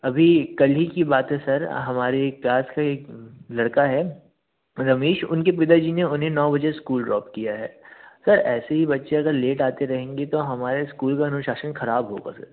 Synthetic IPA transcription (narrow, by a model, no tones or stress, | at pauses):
ɐbʱikɐlɦikibaːt̪ɦɛsɐɾɦɐmaːɾeklaːskaeːklɐɽkaɦɛː | ɾɐmiːʃʊnkep̬ɪd̪aɾd͡ʒineʊnɦẽnɔːbɐd͡ʒeskuːlɖɾɔːpkijaɦɛ̰ːsɐɾɛːseɦibɐtːʃẽɐɡəɾleːʈaːt̪eɾɐɦẽːŋɡet̪oɦɐmaːɾeskuːlkaɐnʊʃaːʃənxɐɾaːbɦoːɡa̰sɐ̰ɾ